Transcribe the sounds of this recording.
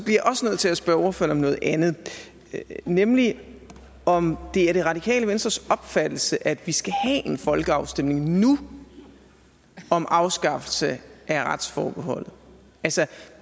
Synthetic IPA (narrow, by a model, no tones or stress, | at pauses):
sɒb̥liɐjaʔɒ̽sənøð̞̩̰ˠt͡sʰelæsb̥ɶɒfønɒ̽mnɔ̽ːð̞̩ˠænð̩ˠ | nemli | ɒ̽md̥e̝æɐɾ̥e̝ʁɑ̈d̥ikʰɛ̰ːləʋensd̥ɐsɒ̽b̥fæd̥l̩səʔæd̥ʋisɡ̥æhɛʔe̝nfɒ̽lɡ̥əɑ̈ʊsd̥em̰ne̝ŋnu | ɒ̽mʔɑ̈ʊsɡ̥ɑ̈fl̩səʔæɐʁɑ̈d̥sfɒ̰ːb̥əɦɒ̽l̰ð̩ˠ | ʔælsɐ